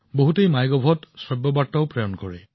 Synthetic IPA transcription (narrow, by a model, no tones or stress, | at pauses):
boɦutejmajɡɔbʱɔtsɹɔbːɔbaɹtːaʊpɹɔjɔnkɔɹɛ̰